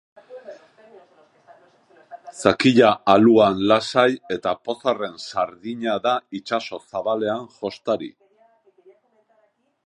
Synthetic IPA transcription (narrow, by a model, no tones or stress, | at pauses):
sakiʎaːluanlasaje̞t̪apo̞sare̞nsaɾðiɲaðait͡ʃaso̞saβale̞aŋʝo̞st̪aɾḭ